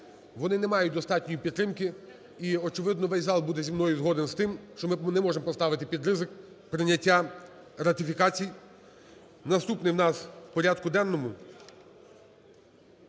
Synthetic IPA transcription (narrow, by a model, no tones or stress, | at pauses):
ʋɔnɪnɛmɑjʊt̚ʲd̪ɔst̪ɑtʲnʲɔjipʲid̪t̪ɾɪmkɪ | iɔt͡ʃɪʋɪd̪nɔʋɛjʲzɑlˠbud̪ɛzʲimnɔjʊzɦɔd̪enst̪ɪmʃt͡ʃɔmɪnɛmɔʒemɔpɔst̪ɑʋɪt̪ɪpʲid̪ɾɪzɪk | pɾɪnʲɐtʲːa | ɾɐt̪ɪfʲikɑt͡sʲij | nɐst̪upnɪjwnɑspɔɾʲad̪kʊd̪ɛnːɔmʊ